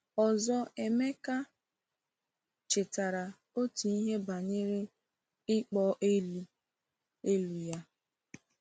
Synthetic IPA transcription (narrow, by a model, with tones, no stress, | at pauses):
ɔ˨zɔ˦e˨me˦ka˦ | t͡ʃe˨ta˨ɾa˨ | o˦tu˨i˦ɦe˦ba˨ɲe˦ɾe˦ | ɪ˦k͡pɔ˦ʔe˦lu˦ | e˦lu˨ja˦